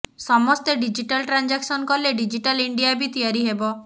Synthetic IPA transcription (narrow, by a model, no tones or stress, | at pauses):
sɔmɔst̪eɖid͡ʒiʈalʈɾand͡ʒaksɔnkɔleɖid͡ʒiʈaliɳɖijabʱit̪ijaɾiɦebɔ